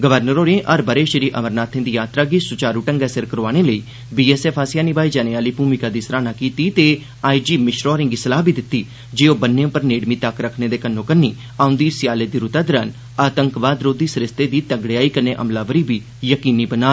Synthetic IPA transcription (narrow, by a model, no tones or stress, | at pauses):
ɡəʋəɾnəɾoːɾẽːʔəɾbəɾeːʃɾiːʔəməɾnaːt̪ʰẽːd̪iːjaːt̪ɾaːɡisʊt͡ʃaːɾuːʈəŋɡɛːsɪɾkəɾoaːɽ̃eːləiː | biːɛːsɛːpʰaːsɪjaːnibaːiːd͡ʒaːneaːliːpuːmɪkaːd̪iːsəɾaːnaːkiːt̪iːt̪eː | aːid͡ʒiːmɪʃɾɔːɾɪ̃ŋɡisəlaːbiːd̪ɪt̪ːiː | d͡ʒeːoːbənːeõːpəɾneːɽmiːt̪əkɾəkʰneːd̪eːkənːõːkənːiː | aːʊ̃nd̪iːsɪjaːleːd̪iːɾʊt̪aːd̪əɾən | aːt̪əŋkʋaːd̪ɾoːd̪iːsəɾɪst̪eːd̪iːt̪əŋɡɽejaːiːkənːeːʔə̰mlaːʋəɾiːbiː | jəkiːniːbənaː